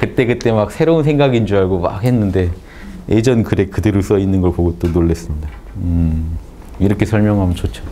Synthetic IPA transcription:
kɯt͈e̞kɯt͈e̞mak̚sʰeɾouns̬ʰe̞ŋɡaɡind͡ʑuaɭɡoma̰khe̞nːɯnde̞ | ed͡ʑʌnkɯɾe̞kɯdeɾos͈ʌinːɯnɡʌɭpoɡot͈onoɭːe̞s͈ɯmɲida | ɯ | iɾʌkʰe̞sʰʌɭmjʌŋɦamʌnt͡ɕot͡ɕʰo̥

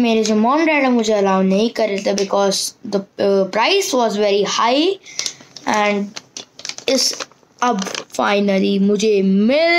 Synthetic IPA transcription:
meːɾed͡ʑomɔ̃ːmɖɛːɽəmʊ̃ːd͡ʑeɐlaːʋnɐĩkɐɾet̪ɐbɪkɔːzd̪əpɾaɪsʋɔːzʋɛːɾihaːi | ɛ̃ɳɖ | ɪs | ɐbfaɪnəlimʊ̃ːd͡ʑemɪl

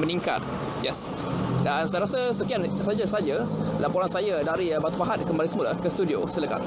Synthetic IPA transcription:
mənĩŋka̰t̪̚ | jɛs | dansajaɾasəsəkiansad͡ʒasad͡ʒalampɔɾansajadaɾibat̪upaɦat̪̚kəmbalisəmola̰hkəst̪udio̰sələka̰t̪̚

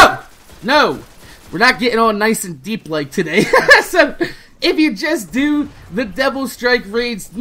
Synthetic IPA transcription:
ʊ | noʊwɨɹnɨt̚ɡ̥ɛɾɪ̃ŋə̃lnaɪsɨ̃n̩diplaɪk̚tʰɨdeɪsoʊ | ɪfjɨd͡ʒʌsd̥ɨ | ðɨdɛvl̩ˠstɹ̥aɪkɹeɪdz̥n

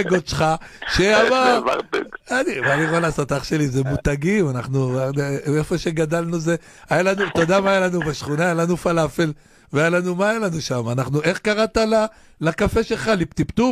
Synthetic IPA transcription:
ɡot̪ʃχaʃeamava̰ʁbḛɡanimaaliʁalasat̪aχʃe̞lizemut̪aɡimanaχnu | efoʃeɡad̪alnuze | ajalanut̪o̞d̪amajalanubaʃχunaːjalanufalafel | veajalanumaːjalanuʃamanaχnuʔe̞χkaʁat̪ala | lakafe̞ʃe̞lχalipt̪ipt̪u

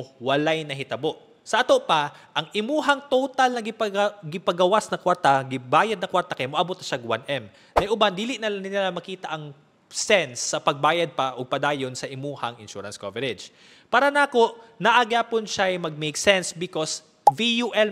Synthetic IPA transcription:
wɐlajnɐɦɪt̪ɐboʔ | sɐʔɐt̪oʔpɐʔɐŋʔɪmuːɦɐŋt̪ot̪ɐlnɐɡɪpɐɡɪpɐɡɐwasnɐkwaɾt̪ɐɡɪbaːjɐd̪̚nɐkwaɾt̪ɐkɐjmoʔɐbʊt̪ːɐʃaɡwa̰nʔɛm | nɐjʔʊband̪iːlɪʔnɐnɪnɪlamɐkiːt̪ɐʔɐŋ | sɛnsːɐpɐɡ̚baːjɐd̪̚pɐʔoɡ̚pɐd̪aːjonsɐʔɪmuːhɐŋɪnʃuːɾɐnskovɛɾɛd͡ʒ | paːɾɐnaːkoʔnɐʔɐɡaːponʃajmɐɡ̚mejksɛnsbɪkos | vijuʔɛl

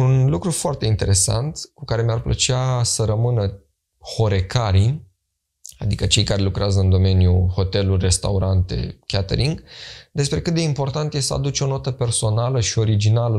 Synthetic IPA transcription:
unlukɾufoart̪e̞int̪e̞ɾe̞sa̰nt̪kukaɾe̞mearplə̰t͡ʃeasəɾəmɨnə | ho̞ɾe̞kaɾi | a̰d̪ikət͡ʃe̞jkaɾe̞lukɾeazəɨnd̪o̞me̞njuho̞t̪e̞lurʲre̞st̪a̰uɾant̪e̞̰kʲat̪ḛɾiŋɡd̪e̞spɾe̞kɨt̪̚d̪eimpo̞rt̪ant̪jesəa̰d̪ut͡ʃo̞no̞t̪əpe̞rso̞naləʃio̞ɾid͡ʒinalə

